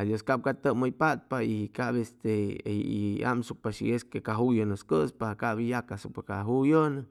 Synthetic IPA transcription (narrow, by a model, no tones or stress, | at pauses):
ad̪joskap̚kat̪əməjpat̪̚paiikabest̪eia̰msuk̚paʃḭeskekaɦujonɨskɨspaakabijakasuk̚pakaɦujonə